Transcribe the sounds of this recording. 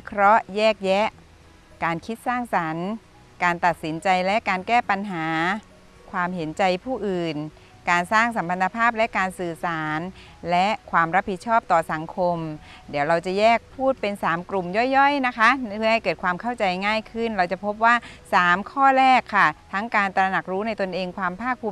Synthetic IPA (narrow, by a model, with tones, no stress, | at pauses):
i˧˦kʰɾɔ˦˥jɛː˥˩k̚jɛ˦˥ʔ | kaː˧nkʰi˦˥t̪̚saː˥˩ŋsa˩˦n | kaː˧nt̪a˨˩t̪̚si˩˦nt͡ɕa˧jlɛ˦˥kaː˧nkɛː˥˩pa˧nɦaː˩˦ | kʰwaː˧mɦe˩˦nt͡ɕa˧jpʰuː˥˩ʔɯː˨˩n | kaː˧nsaː˥˩ŋsa˩˦mpʰa˧nːa˧pʰaː˥˩p̚lɛ˦˥ʔkaː˧nsɯː˨˩saː˩˦n | lɛ˦˥ʔkʰwaː˧mɾa˦˥pʰːi˨˩t̪̚t͡ɕʰɔː˥˩p̚t̪ɔː˨˩sa˩˦ŋkʰo˧mdi˩˦wɾa˧wt͡ɕa˨˩jɛː˥˩k̚pʰuː˥˩t̪̚pe˧nsaː˩˦mkɾu˨˩mjɔ˥˩jːɔ˥˩jna˦˥kʰa˦˥ɯ˥˩ɦa˥˩jkɤː˨˩t̪̚kʰwaː˧mkʰa˥˩wt͡ɕa˧jŋaː˥˩jkʰɯ˥˩nɾa˧wt͡ɕa˨˩pʰo˦˥p̬̚waː˥˩saː˨˩˦mkʰɔː˥˩ɾɛː˥˩kʰːa˥˩t̪ʰa˦˥ŋkaː˧nt̪ɾa˧na˨˩k̚ɾuː˦˥na˧jt̪o˧nʔeː˧ŋkʰwaː˧mpʰaː˥˩k̚pʰuː˧m